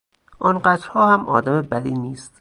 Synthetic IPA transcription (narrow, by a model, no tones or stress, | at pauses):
ʔɒːnɢæt̪ɾhɒːhæmʔɒ̰ːd̪æmebæd̪iːniːst̪